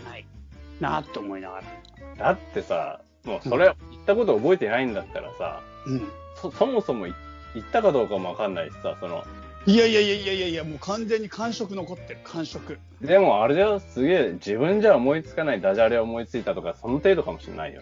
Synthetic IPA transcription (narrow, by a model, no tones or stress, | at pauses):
aina̰t̪ːeːmo̞ina̰ɡa̰ɾa | d̪̥at̪ːe̞sa̰ | mo̞so̞ɾe̞it̪ːako̞t̪o̞ːbo̞et̪enaĩnd̪at̪ːa̰ɾa̰sa̰ | ɯ̟̃ɴ | soso̞mo̞so̞mo̞i | it̪ːakad̪o̞ːkamo̞akãnːaissa̰so̞no̞̰ | ijaijaijaijaijaijamoːkʰãnd͡zeɲ̟ːikʰãɰ̃ɕo̞kɯ̟no̞ko̞t̪ːeɾɯkʰãɰ̃ɕokɯ̟ | d̪e̞mo̞aɾeosɨɡʲe̞ːd͡ʑiβɯ̟̃ɲ̟d͡ʑaomo̞it͡sɨ̥kanaid̪aʑaɾeoomo̞it͡sɨit̪at̪o̞kaso̞no̞t̪e̞ːd̪o̞kamo̞ɕinːʔa̰ḭjo